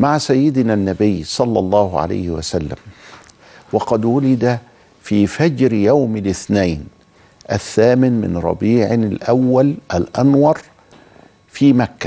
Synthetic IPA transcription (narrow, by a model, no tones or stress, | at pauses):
maʕasajːɪd̪nænːæbɪjːsˤɑlːɑlˤːɑːhʊʕa̰la̰ːhɪwa̰salːa̰m | wɑqɑd̪wʊlɪd̪a | fiːfad͡ʒɾjawmɪlɪθnajn | ʔaθːaːmɪnmɪ̰nɾˤɑ̰biːʕɪlʔawːalʔalʔanwɑɾˤ | fiːmakːæ̥